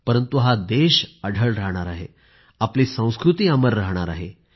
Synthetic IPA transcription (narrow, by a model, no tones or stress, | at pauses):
pəɾənt̪uɦad̪eɕəɽʱəɭɾaɦɽ̃aɾaɦḛ | apliːsə̃w̃skɾut̪iːəməɾːaɦɽ̃aɾaɦe